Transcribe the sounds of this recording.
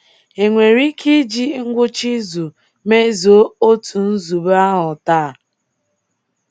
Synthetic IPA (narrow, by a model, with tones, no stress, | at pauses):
e˨ŋʷe˨ɾi˦kʰi˦d͡ʒi˦ŋ̩˦ɡʷʊ˦t͡ʃi˦zu˨ | me˦zo˨˦o˦tu˨n̩˦zu˨ba˦ɦʊ˨ta˦˨